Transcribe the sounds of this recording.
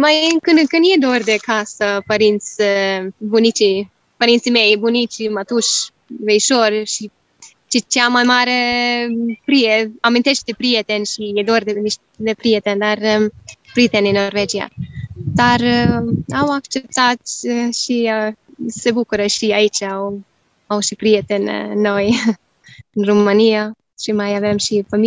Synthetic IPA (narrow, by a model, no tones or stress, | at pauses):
majkɨnkɨnjed̪orʲd̪ekasəpəɾint̪sʲ | bunit͡ʃi | pəɾint̪simejbunit͡ʃimat̪uʃ | veiʃorʃi | t͡ʃet͡ʃeamajmaɾe | pɾieamint̪e̞ʃt̪̚d̪epɾijet̪enʃijed̪ord̪eniʃt̪ | d̪epɾijet̪end̪arpɾit̪ɛninɔɾvɛd͡ʒia̰d̪aɾ | awakt͡ʃɛp̚t̪at̪ʃiasɛbukuɾəʃiait͡ʃaɔ | aɔʃipɾiɛt̪ɛnːɔj | nɾumania | ʃimajavɛmʃifami